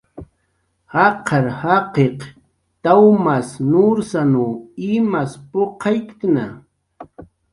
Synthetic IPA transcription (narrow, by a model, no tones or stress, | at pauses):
hɑqʰɑɾhɑqeq | t̪awmasnʊɾsanuɪmaspoqʰɑjkk̪na